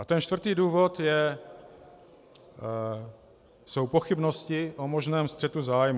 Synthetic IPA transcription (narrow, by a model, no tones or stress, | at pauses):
ʔat̪ɛnt͡ʃt̪vr̩t̪iːduːvo̞t̪jɛ | so̞wpo̞xɪbnoscɪʔomo̞ʒnɛːmst̪r̥ɛt̪uzaːjmu